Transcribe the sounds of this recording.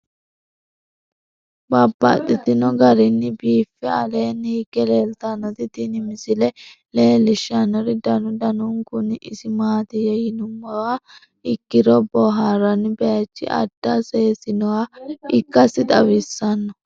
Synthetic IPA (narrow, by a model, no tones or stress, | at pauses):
babːa̰t̪ʼːɪt̪ɪnɔɡɐɾɪnːɪbiːfːɛɐleːnːhɪɡːɛle̞ːlt̪anːɔt̪ɪt̪inɪmɪsɪlɛ | le̞ːlɪʃːɐnːɔɾɪd̪ɐnʊd̪ɐnuŋkʊnːɪʔɪsɪmaːt̪ɪjɛjɪnʊmːɐwa | ɪkːɪɾɔbɔɦaːɾɐnbɛjɐt͡ʃːɪ̰ʔɐ̰d̪̥ːaseːsɪnɔwaɪkːɐsɪt̪ʼɐwɪsːɐnːɔ